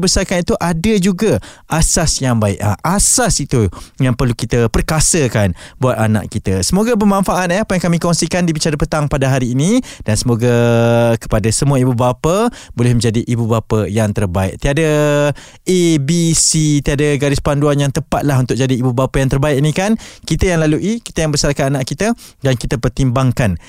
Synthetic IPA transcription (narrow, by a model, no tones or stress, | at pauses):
bəsarkanit̪uʔadad͡ʒuɡaʔasasjaŋbaɪ̰ʔa̰ʔasasit̪ujaŋpərlukit̪əpərkasəkanbuat̪ana̰ʔkit̪asəmoɡabəmãnfaʔat̪̚japəjaŋkamĩkɔŋsikandibit͡ʃaɾapət̪aŋpadaɦaɾiːnĩd̥ansəmoɡakə̥padasəmũaibubapabolɪhmə̃ɲd͡ʒadiʔibubapajaŋt̪ərbaɪ̰ʔ̚t̪iada | ʔebisit̪iadaɡaɾɪspanduanjaŋt̪əpat̪̚laɦunt̪ʊk̚d͡ʒadiːbubapajaŋt̪ərbaɪʔ̚nĩkankit̪əjaŋlaluʔiki̥t̪əjaŋbəsarkananaʔkit̪ədankit̪əpərt̪imbaŋkan